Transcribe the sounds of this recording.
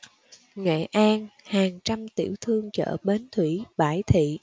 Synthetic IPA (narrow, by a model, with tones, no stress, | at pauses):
ŋḛ˧˨ʔaː˧nhaː˨˩ŋt͡ɕa˧mt̪ḭ˧˩əwt̪ʰɨ˧əŋt͡ɕə̰ː˧˨ɓe˨˦nt̪ʰwi˧˩ɓaː˧˩jt̪ʰḭ˧˨